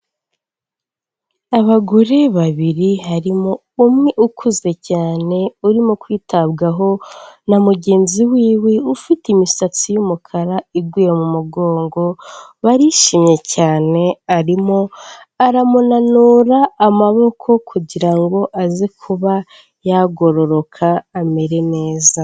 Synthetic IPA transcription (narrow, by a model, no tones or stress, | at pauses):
aβaɡoɾe̞βaβiɾiɦaɾimo̞ | umŋeʔukʰuze̞caːne̞uɾimokwiːtʰabɡaɦo̞namuɟe̞ːnziwiːweufitimisat͡sijumukʰaɾaiɡwiːjemumuɡo̞ːŋɡo̞βaɾiʃimɲe̞caːne̞aɾimo | aɾamunanuːɾaːmaβo̞kʰo̞kʰuɟiɾaŋɡo̞ʔazikʰuβa | jaɡo̞ɾo̞ɾo̞kʰaːme̞ɾe̞ne̞ːza